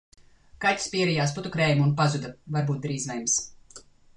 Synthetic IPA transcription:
katʲi̥spʲiɛɾijaːsput̪ukɾɛjmunpazud̪ɐvaɾbuːt̪̚d̪ɾiːzvɛjms

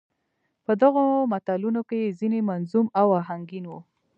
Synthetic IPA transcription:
pəd̪aɣomat̪alunokeezinemanzumawaɦaŋɡinwu

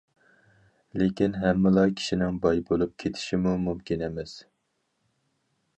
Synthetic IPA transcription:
lekʲinɦɛmːɪlˠɑkʲʰi̥ʃinɪŋbɑjbolˠup̚kʲʰet̪ʰɪ̥ʃimumumkʲinɛmɛs

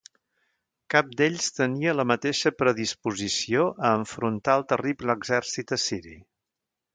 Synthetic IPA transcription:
kap̚d̪eʎst̪əniələmət̪eʃəpɾəðispuzisioʔəːɱfɾunt̪aəlˠt̪əribləɡzɛɾsit̪əsiɾi

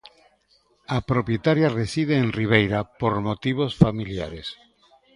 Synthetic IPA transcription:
apɾopjet̪aɾjaresið̞eːnriβ̞ejɾapoɾmot̪iβ̞osfamilja̰ɾes

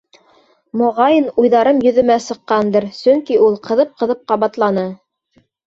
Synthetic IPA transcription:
mŏʁɑjɤnujðɑɾɤmjɵ̆ðɘ̆mæsɤ̆qːɑnd̪ɤɾsɵŋkiulˠqɤ̆ðɤp̚qɤ̆ðɤp̚qɑβɑt̪lˠɑnɤ

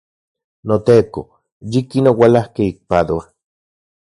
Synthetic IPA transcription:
not̪eːko | jikinowalahkeik̚pad̪oa

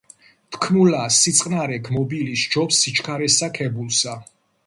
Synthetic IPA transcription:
t̪ʰkʰmulasit̪sʼqʼnaɾɛɡʰmɔbilisd͡ʒɔpsit͡ʃʰkʰaɾɛsakʰɛbulˠsa

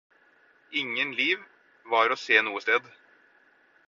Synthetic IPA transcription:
ɪŋənliːʋ | ʋɑːɾɔseːnuːəst̪eːd̪

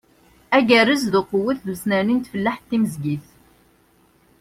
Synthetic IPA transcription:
æɡærəzðəqːwəθðsnænint̪fəlːaħt̪ːiməzɡiθ

